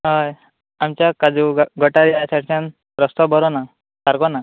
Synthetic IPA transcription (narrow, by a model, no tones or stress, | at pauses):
ɦɔj | amt͡ɕjakad͡zuɡʱɔʈaɾiasaɽt͡ɕan | ɾɔst̪ɔbɔɾɔna | saɾkɔna